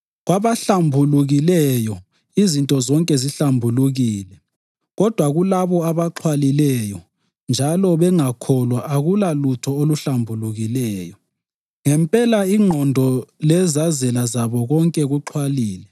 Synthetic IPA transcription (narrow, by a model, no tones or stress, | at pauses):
ɣwaβaɬambʱuluɣilɛjɔ | izintʼɔzɔŋkʼɛziɬambʱuluɣiːlɛ | ɣɔd̥ʱwaɣulaβɔaβaǃʰwalilɛjɔ | nd͡ʒʱalɔβɛŋakʰɔlwaʔaɣulalutʰɔoluɬambʱuluɣilɛːjɔ | ŋɛmpʼɛlaiŋ͡ǃʱɔndʱɔlɛzazɛlazaβɔɣɔŋkʼɛɣuǃʰwaliːlɛ